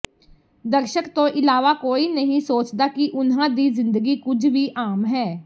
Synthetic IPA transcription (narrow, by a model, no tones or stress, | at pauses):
d̪əɾʃəkt̪õːʔɪlaːʋaːkoːiːnəɦĩːsoːt͡ʃd̪aːkɪʔʊnɦãːd̪iːzɪ̃nd̪əɡiːkʊd͡ʒʱʋiːʔaːmɦɛː